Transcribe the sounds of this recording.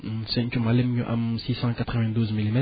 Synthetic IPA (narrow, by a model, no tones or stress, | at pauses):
sɛ̃kʲumalɛmɲũʔa̰msisɑ̃kat̪χəvɛ̃d̪uzmilimɛ